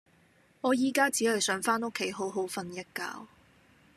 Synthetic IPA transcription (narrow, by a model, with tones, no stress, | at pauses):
ŋɔː˨˧jiː˨kaː˥t͡siː˨˥hɐ˨jsœː˨˥ŋfaː˥no˥kʰːe˨˥jɦo˨˥wɦo˨˥wfɐ˧njɐ˥t̚ka̰ː˧w